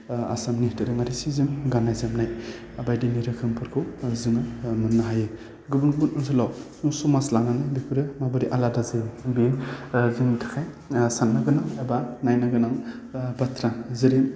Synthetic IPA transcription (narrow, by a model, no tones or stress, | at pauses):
a̰samnitɯɾɯŋaɾisizɯmɡanajzamnaj | abajdiniɾɯkʰɯmpʰɯɾkʰuzɯŋɯmɯnːaɦajɯ | ɡɯbunɡɯbunɯnzɯlawsusumaslananajbipʰɯɾɯmabɯɾiʔaladazɯbizɯŋtʰɯ̥kʰaj | sanːaɡɯnaŋebanajnaɡɯnaŋ | batʰɾazɯɾim